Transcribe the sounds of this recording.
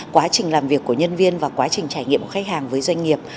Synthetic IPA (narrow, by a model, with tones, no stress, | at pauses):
kwaː˨˦t͡ɕï˨˩ŋ̟laː˨˩mvi˨˩əkːu˧˩əɲə˧nvi˧ənvaː˨˩kwaː˨˦t͡ɕï˨˩ŋ̟t͡ɕaː˧˩jŋḭ˧˨əmʔəː˧˩xa˦˥k̚haː˨˩ŋvəː˨˦jzwa˧jŋ̟ŋi˨˩əp̚